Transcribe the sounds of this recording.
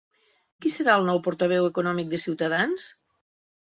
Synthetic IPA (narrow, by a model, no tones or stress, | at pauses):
kisəɾaəlˠnɔwpoɾt̪əβ̞ɛwekunɔmik̚d̪əsiwt̪əðans